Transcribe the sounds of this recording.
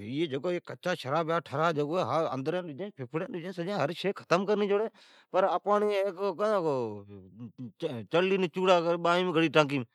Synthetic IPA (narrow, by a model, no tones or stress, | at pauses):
iːeːd͡ʒəɡoːekːət͡ʃaːʃəɾaːbjaːʈʰəɾaːd͡ʒəɡoːeːɦaə̰nd̪əɾẽːɗʊːd͡ʒẽːpʰɪpʰɽẽːɗʊd͡ʒẽːsəd͡ʒãːɦəɾʃeːkʰə̥t̪əmkəɾniːd͡ʒoːɽeː | pəɾəpaːnieːkkːã | t͡ʃəlliːnet͡ʃuːɽaːkəɓaːĩːmːɡʱəɽiːʈãːkiːm